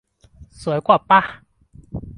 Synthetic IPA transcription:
sə˨˦jkwa˥˨pa˦

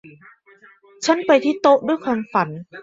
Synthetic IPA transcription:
t͡ɕʰa˦˥npa˧jt̪ʰiː˥˩t̪o˦˥ʔdu˥˩əjkʰwaː˧mfa˩˦n

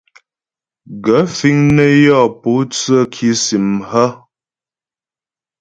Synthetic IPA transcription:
ɡə˨˦fi˦ŋnə˦jɔ˦˨pu˨˦t͡sə˦˨kʰi˨˦si˨mhə˦

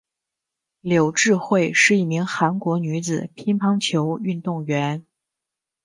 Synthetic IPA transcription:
ljo˨˩ʊʈ͡ʂɻ̩˥˧xwe˥˧ɪʂɻ̩˥˧i˥˩mi˧˥ŋxa˧˥nkwɔ˧˥ny˧˥d͡zɹ̩˨˩pʰi˥npʰɑ˥ŋt͡ɕʰjo˧˥ʊy˥˧nt̪ʊ˥˩ŋɥɛ˧˥n

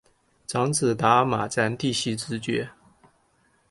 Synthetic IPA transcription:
ʈ͡ʂɑ˧˥ŋt͡sɹ̩˨˩t̪a˧˥˦ma˨˩t͡sa˧˥nt̪i˥˧ɕi˥˩t͡sɹɻ̩˧˥t͡ɕɥɛ˧˥˦

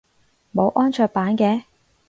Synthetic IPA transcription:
mo˨˧wʔɔː˥nt͡ʃʰœː˧k̚paː˨˥nkɛː˧

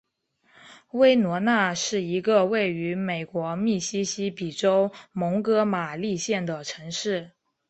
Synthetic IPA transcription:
we˥ɪnwɔ˧˥na˥˧ʂɻ̩˥˩i˧˥ɡə˧we˥˩ɪy˧˥me˨˩ɪkwɔ˧˥mi˥˩ɕi˥ɕi˥pi˨˩ʈ͡ʂo˥ʊmo˧˥ŋkɤ˥ma˨˩li˥˧ɕjɛ˥˩nd̪ə˩ʈ͡ʂʰɤ˧˥ŋʂɻ̩˥˩

